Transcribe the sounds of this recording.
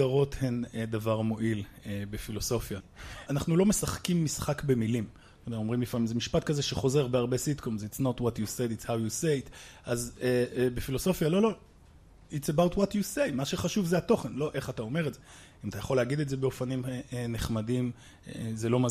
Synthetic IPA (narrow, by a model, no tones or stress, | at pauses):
aʁo̞thend̪avaʁmo̞ʔilebefiloso̞fjaanaχnulo̞me̞saχkimːisχakbemilim | mao̞mʁimlifamimzemiʃpat̪̚kazeʃeχo̞ze̞ʁbeaʁbe̞sid̪komzitsnotwotjused̪itshawjusetʔazbefilo̞so̞fjalo̞lo̞ | itsebawtwot̪jusejmaʃeχaʃuvzeato̞χenlo̞ʔe̞χatao̞me̞ʁetze | imat̪ajaχo̞leːɡid̪etzebeo̞fanimneχmadim | zelo̞ma